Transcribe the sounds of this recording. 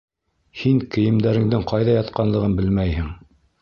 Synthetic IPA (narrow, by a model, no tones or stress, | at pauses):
hiŋkɘ̆jɘ̆md̪æɾɘ̆ŋd̪ɘŋqɑjðɑjɑt̪qɑnlˠɤ̆ʁɤnbɘlmæjhɘŋ